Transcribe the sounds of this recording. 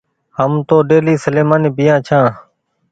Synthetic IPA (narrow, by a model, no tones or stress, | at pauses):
həmt̪oːɗeːliːsəleːmaːniːbɪjãːt͡ʃʰãː